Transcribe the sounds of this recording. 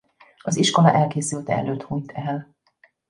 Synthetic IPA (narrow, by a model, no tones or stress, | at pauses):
ɒziʃko̞lɒʔɛlkeːsylt̪ɛ̰ɛ̰løːt̪hunt̪ʰɛl